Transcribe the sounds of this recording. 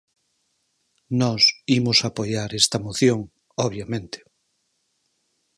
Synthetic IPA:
nɔsimʊsapojaɾest̪ɐmoθjoŋ | ɔβjamẽnt̪e̥

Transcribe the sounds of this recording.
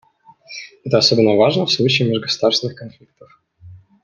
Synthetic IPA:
ɛt̪əɐsobʲɪnːəvaʐnəfslˠut͡ɕɪːmʲɪʐɡəsʊd̪arsʲɪnɨxkɐnflʲik̚t̪əf

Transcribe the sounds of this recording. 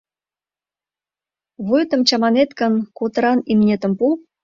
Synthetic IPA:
βujt̪ə̆mt͡ɕɑmɑnet̪kə̆nkot̪əɾɑnimnʲet̪ə̆mpu

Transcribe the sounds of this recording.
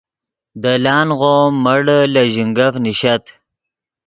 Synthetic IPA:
d̪əlɑːnɣomːəɽlaʑiŋɡafniɕat̪

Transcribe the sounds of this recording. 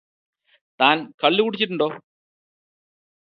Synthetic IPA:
t̪aːnkɐɭːikuɽit͡ɕːiʈ̬ːuɳɖo̞ː

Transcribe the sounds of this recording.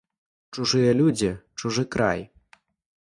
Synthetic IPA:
t͡ʂuʐɨjɐlʲud͡zʲit͡ʂuʐɨkɾa̰j

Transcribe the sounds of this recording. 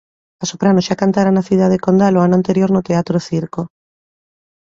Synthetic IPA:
asopɾanoʃakant̪aɾanaθiðaðekond̪aloanoant̪eɾjoɾnot̪eat̪ɾoθiɾko

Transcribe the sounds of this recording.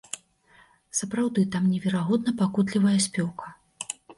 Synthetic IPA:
sɐpɾawd̪ɨt̪amnʲɛvʲɛɾaɣɔd̪nɐpakut̪lʲivɐjɐsʲpʲɔwkʰɐ

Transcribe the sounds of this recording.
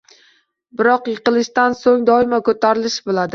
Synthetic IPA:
bɪɾɒqjɨqɨlˠɪʃt̪ansoŋd̪ɒɪmakʰɵt̪ʰaɾɪlɪʃbolˠad̪ɪ

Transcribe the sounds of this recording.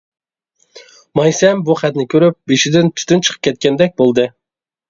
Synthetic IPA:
mɑjsɛmbuχæt̪nɪkʲʰøɾyp̚beʃid̪ɪnt̪ʰy̥t̪ynt͡ʃʰə̥qʰə̥p̚kʲʰɛt̪̚kʲɛnd̪ɛk̚ʲbolˠd̪ɨ

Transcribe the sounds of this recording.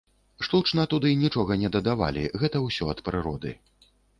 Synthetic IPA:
ʂt̪ut͡ʂnɐt̪ud̪ɨnʲit͡ʂɔɣɐnʲɛd̪ɐd̪ava̰lʲḭɣɛt̪ɐwsʲɔɐt̪pɾɨɾɔd̪ɨ̰

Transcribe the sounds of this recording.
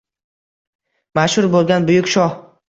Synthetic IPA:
maʃhʊɾbolˠɡʲanbʊjʊkʲʃɒh

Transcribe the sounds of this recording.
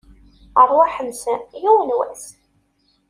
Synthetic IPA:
ərˤwaħəmsæjuwənwæ̰s

